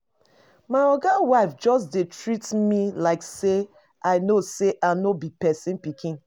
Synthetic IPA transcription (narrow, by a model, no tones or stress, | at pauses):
maɪɔɡawaɪfd͡ʒɔs̬detɹitmilaɪkse | aɪnoseʔanobipɛsĩnpikʰĩn